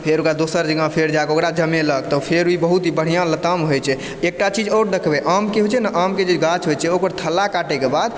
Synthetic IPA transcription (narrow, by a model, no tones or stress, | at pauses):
pʰeɾokɾad̪osəɾd͡ʒəɡãpʰeɾd͡ʒakeokɾad͡ʒəmeləkt̪ɔpʰeɾibəɦut̪ɦibəɽ̤ijãlət̪əmɦojt͡ʃʰɛ | ek̚ʈat͡ʃid͡ʒoɾd̪ekʰbɛʔamkeɦot͡ʃʰɛnaʔamked͡ʒeɡat͡ʃɦojt͡ʃʰɛokəɾt̪ʰəlːakaʈekebad̪